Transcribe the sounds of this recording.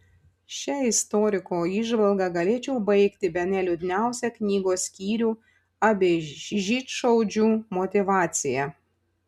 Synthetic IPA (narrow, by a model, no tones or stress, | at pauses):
ʃʲɛɪst̪ɔɾʲɪkoːiːʒʋɐlˠɡɑɡɐlʲeːt͡ʃʲɛʊbɐɪkt̪ʲɪbʲɛnʲɛlʲʊd̪ʲɪnʲæˑʊsʲɛknʲiːɡoːsʲkʲiːɾʲuː | ɐbʲeːʒʲiːt̪ʃɐʊd͡ʒʲuːmɔt̪ʲɪʋɑːt̪sʲɪjɛ